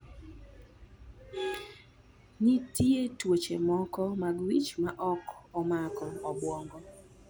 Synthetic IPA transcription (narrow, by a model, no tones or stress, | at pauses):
nitietwot͡ʃemɔkɔmaɡwit͡ʃmaʔɔkɔmakɔːbwɔŋɡɔ